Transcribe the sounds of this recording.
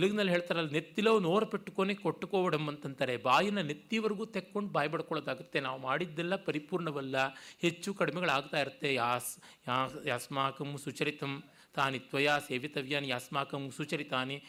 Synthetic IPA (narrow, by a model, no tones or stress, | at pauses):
tt̪eluɡinɐlːɦe̞ːɭt̪aːɾɐːlːɐnet̪ːilɐʋunoːɾɐpeʈːukoːnekoʈːukoːʋɐɽɐmɐnt̪ɐnt̪ɐɾebaːjɐnːɐnet̪ːiʋɐɾɡuːt̪ekːo̞ɳɖbaːjɐbɐɽɐkɔɭoːd̪aːɡut̪ːe̞naːʋumaːɽid̪ːɛlːɐpɐɾipuːɾɳɐʋɐlːɐhet͡ʃːukɐɽimɛɡɐɭaːɡt̪aːjiɾut̪ːe̞jaːs | jaːjaːsmaːkɐmsut͡ʃɐɾit̪ɐm | t̪aːnit̪ʋɐjaːseːʋit̪ɐʋjaːnjaːsmaːkɐmsut͡ʃɐɾit̪aːni